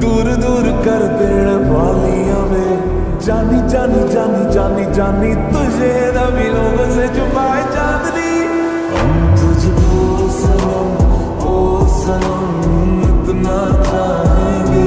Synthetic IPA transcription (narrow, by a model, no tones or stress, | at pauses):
d̪uːɾd̪uːɾkəɾd̪eːɽ | ʋaːlijãːʋẽː | d͡ʒaːniːd͡ʒaːniːd͡ʒaːnid͡ʒaːniːd͡ʒaːniːt̪ʊd͡ʒe | d̪aːʋɪloːɡseːt͡ʃʊpaːed͡ʒaːd̪niː | əmt̪ʊd͡ʒoː | sənəm | oːsəɾəm | mət̪naːt͡ʃaːɦẽːɡeː